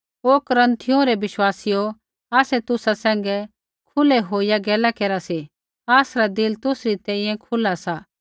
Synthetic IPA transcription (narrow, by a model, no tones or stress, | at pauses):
oːkɾɐ̃nt̪ʰːɪjõɾɛʋɪʃwaːsijo | aːsɛt̪ʊsasɛ̃ːŋɡɛ | kʰʊlɛɦoːijaɡɛːlakeːɾase | aːsɾad̪ɪlt̪ʊsɾit̪ɛ̃ːĩjɛ̃kʰʊlasaː